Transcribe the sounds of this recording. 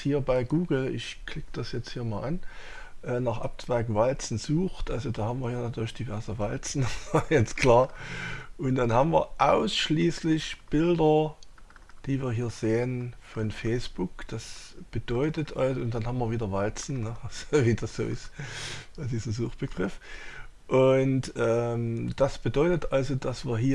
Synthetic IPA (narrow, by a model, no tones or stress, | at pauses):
hiːɐbaɪɡuːɡl̩ɪçkʰl̥ɪkəd̥asjɛt͡sthiːɐmaːlʔan | ʔɛːnaːχʔa̰p̚tv̥aɪkvalt͡sn̩zuːxtʔalzodaːhaːmviːɐhiːɐnatʰyːɐlɪçd̥ivɛɐzəvalt͡sn̩̥ajɛt͡stkʰl̥aːɐʔʊntd̥anhaːmviːɐʔaʊsʃliːslɪçb̥ɪldɐ | d̥iːviːɐɦiːɐz̥eːənfɔnfɛɪsb̥ʊkd̥asb̥əd̥ɔʏtətʰʔalzʊnd̥anhaːmviːɐviːdɐvalt͡sn̩nəʔaz̥oviːd̥asz̥o̰ːʔɪstad̥iːznzuːxt̚b̥əɡʁɪf | ʔʊntʔɛːmd̥asb̥ədɔʏtətʔalzod̥asv̥iːɐɦiː